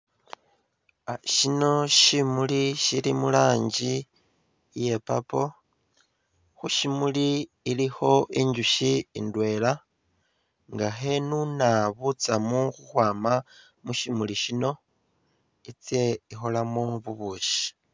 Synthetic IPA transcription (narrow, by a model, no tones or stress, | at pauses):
aʃino̞ʃimuliʃilimulaːɲɟi | je̞pa̰po̞ | xuʃimuliː | lixo̞ʔiɲɟuʃiːndwe̞ːla | ŋɡaxe̞nunaβut͡samuxuxwaːma | muʃimuliʃino̞ | it͡se̞ixo̞lamoβuβuːʃi̥